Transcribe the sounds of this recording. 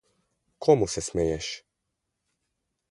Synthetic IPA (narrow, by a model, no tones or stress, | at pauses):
kʰɔmusɛsmɛjɛʃ